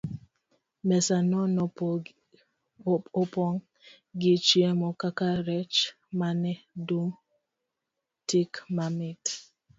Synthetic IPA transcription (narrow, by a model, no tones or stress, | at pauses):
mɛsanɔnɔ | opɔŋ | ɡit͡ʃiɛmɔkakaɾɛt͡ʃ | manɛdum | tikmamit